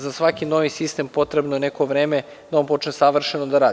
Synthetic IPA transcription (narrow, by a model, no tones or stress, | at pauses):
zasʋakino̞ːʋisist̪e̞mpo̞t̪ɾebnoje̞neko̞ʋɾeːme | d̪ao̞npo̞t͡ʃnesaʋr̩ʃenod̪aɾaːd̪